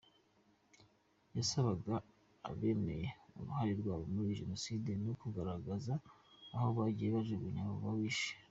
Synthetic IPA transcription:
jasaβaɡa̰ː | βe̞ne̞jeṵɾuhaɾiɾɡwaːβomuɾiʒeno̞sidenokuɡaɾaɡazaːhoβaɟijeβaʒeβuɲamoβawiʃe̥

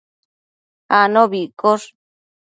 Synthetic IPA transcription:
anõβikoʂ

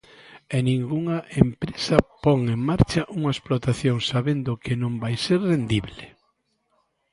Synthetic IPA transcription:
enĩŋɡuŋaʔempɾesɐpɔŋeŋmaɾt͡ʃɐʔuŋɐesplot̪aθjoŋsaβend̪ʊkɪnõmbajseɾrend̪iβle

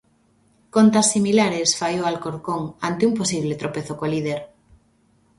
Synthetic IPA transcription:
kont̪asːimilaɾesfajoalkoɾkoŋant̪eumposiβ̞let̪ɾopeθokolið̞eɾ

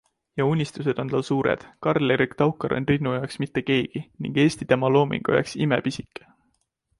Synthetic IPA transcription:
jɑunʲːist̪use̞d̪̥o̞nt̪ɑlsuːɾḛd̪̥kɑrleɾikt̪ɑwkːˑɑɾʔo̰nrinːujɑweksmit̪ːe̞ke̞ːɡ̥inḭŋɡ̥e̞ːsʲt̪it̪e̞mɑlo̞ːmḭŋɡ̥o̰jḛksimepisikːˑe̥

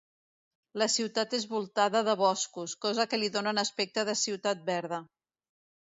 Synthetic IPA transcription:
ləsiwt̪at̪ezβulˠt̪aðəðəβɔskuskɔzəkəliðonənəspɛk̚t̪əðəsiwt̪at̪̚bɛɾðə

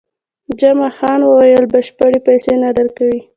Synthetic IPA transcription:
d͡ʒamaxɑnwəwajəlbəʃpaɽepajsenad̪əɾkawi

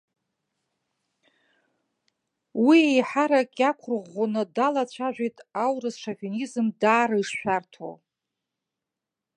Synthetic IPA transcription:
wiejħaɾakʲʼakʷʰʊrʁonɨdalat͡ɕʷʰaʒᶣʷejtʼawrɨsʂavionizɨmdaːɾaiʂʃʷᶣartʰo̰

